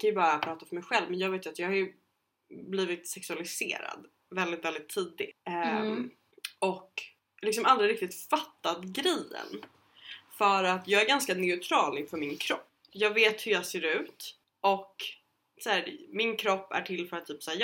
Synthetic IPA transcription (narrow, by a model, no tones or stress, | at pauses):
kʰanjɵbɑːɾapʰɾɑːt̪afœɾmɛjɧɛlvmɛnjɑːɡveːt̪jɵat̪jɑːɡhajɵ | bliːvɪt̪sɛksɵalɪsḛːɾa̰d̪ | vɛld̪ɪt̪vɛld̪ɪt̪ʰːiːd̪ɪ | ɔk | lɪksɔmald̪ɾɪɾɪk̚t̪ɪt̪fat̪ːad̪ɡɾɛjə̰n | fœɾat̪jɑːɡæɾɡanskanɛʉt̪ʰɾɑːlɪnfœmɪnkʰɾɔpːjɑːɡveːt̪hɵjɑːɡseːɾʉ̟ːt̪ | ʔɔk | sæːɾmɪnkʰɾɔpːæ̰ʈʰɪlːfœɾat̪ʰːyːpsæːj